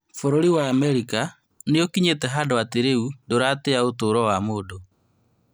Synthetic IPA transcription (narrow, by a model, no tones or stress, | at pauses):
foɾoɾiwaːmɛɾika | nejɔkiɲetɛɦadoateɾeundoɾateaotoːɾɔwamoːdo